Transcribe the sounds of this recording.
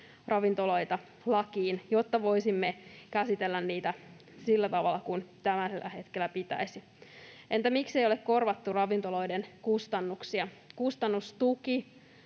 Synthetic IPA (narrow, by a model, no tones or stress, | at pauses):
rɑʋint̪olo̞jt̪ɑ | lɑkiːnjot̪ːɑʋo̞isimːekæsit̪elːænniːt̪æ | silːæt̪ɑʋɑlːˑɑkunt̪æmæselʔæ̰he̞t̪kelːˑæpit̪æ̰isi | ʔent̪æmiksejo̞lekko̞rʋɑt̪ːurɑʋint̪olo̞jdenkust̪ɑnːuksiɑkust̪ɑnːust̪uki